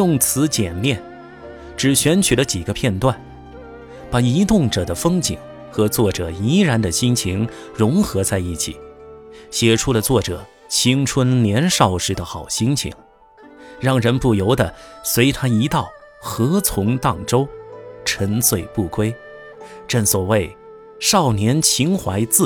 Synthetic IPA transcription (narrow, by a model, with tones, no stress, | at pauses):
jʊ˥˩ŋt͡sʰɹ̩˧˥t͡ɕjɛ˨˩nljɛ˥˩n | ʈ͡ʂɻ̩˨˩ɕɥɛ˧˥nt͡ɕʰy˨˩lə˦t͡ɕi˨˩ɡə˦pʰjɛ˥˧nt̪wa˥˩n | pa˨˩i˧˥t̪ʊ˥˩ŋʈ͡ʂɤ˨˩d̪ə˦fɤ˥ŋt͡ɕḭ˨˩ŋ | xɤ˧˥t͡swɔ˥˩ʈ͡ʂɤ˨˩i˧˥ɻa˧˥nd̪ə˧ɕi˥ŋt͡ɕʰi˧˥ŋ | ɻʊ˧˥ŋxɤ˧˥t͡sa˥˧ɪi˥˩t͡ɕʰḭ˨˩˦ɕjɛ˧˩ʈ͡ʂʰu˥lə˨t͡swɔ˥˩ʈ͡ʂɤ˨˩˦ | ɕʰi˥ŋʈ͡ʂʰwə˥nljɛ˧˥nʂɑ˥˩ʊʂɻ̩˧˥d̪ə˧xɑ˨˩ʊɕi˥ŋt͡ɕʰḭ˧˩˦ŋ | ɻɑ˥˩ŋɻə˧˥npu˥˩jo˧˥ʊd̪ə˧˨swe˧˥ɪt̪ʰa˥i˧˥t̪ɑ˥˩ʊ | xɤ˧˥t͡sʰʊ˧˥ŋt̪ɑ˥˩ŋʈ͡ʂo˥ʊʈ͡ʂʰə˧˥nswe˥˩ɪpu˥˩kwe˥ɪ | ʈ͡ʂə˥˩ŋswɔ˨˩we˥˩ɪ | ʂɑ˥˩ʊnjɛ˧˥nt͡ɕʰi˧˥ŋxwa˧˥ɪt͡sɹ̩˥˩